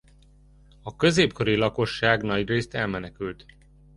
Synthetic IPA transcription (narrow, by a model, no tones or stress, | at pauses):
ɒkø̞zeːpko̞ɾilɒko̞ʃːaːɡnɒɟreːst̪ɛlmɛnɛkylt̪